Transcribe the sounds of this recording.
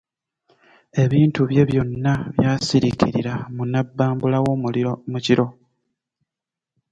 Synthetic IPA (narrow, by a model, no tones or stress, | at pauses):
e̞βiːntuβje̞βjo̞nːaβjaːsiɾiciɾiɾamunabːaːmbulawo̞muciɾo̞